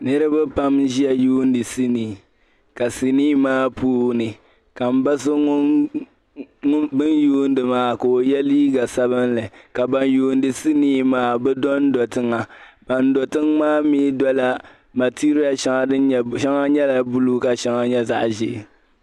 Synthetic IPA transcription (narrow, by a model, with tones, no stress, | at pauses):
nɨ˦ɾɨ˦bɛ˦pa˦mʒi˦ja˨juː˦n˦dɨ˨si˦niː˨ | ka˨si˨niː˦maː˦puː˦nɨ˨ | ka˨m̩˨ba˦sɨ˦ŋʊ˦ | bɨ˦njuː˦n˦dɨ˨maː˦ko˨o˨jɛ˦liː˦ɡa˨sa˦βɨ˦nlɨ˨ka˨ba˨njuː˨˦˨n˦dɨ˨si˦niː˦maː˦bɛ˦dɔ˦n˦dɔ˨tɨ˦ŋa˨b̥a˨ndɔ˨tɨ˦ŋmaː˦mi˦dɔ˦la˦ | ma˨ti˦ɾi˦ja˨ʃa˦ŋa˨dɨ˦˨ʃa˦ŋa˦ɲɛ˦la˨bu˦lu˦ka˨ʃa˦ŋa˨ɲɛ˦za̰˦˨ʔʒɪ˨ʔɪ˨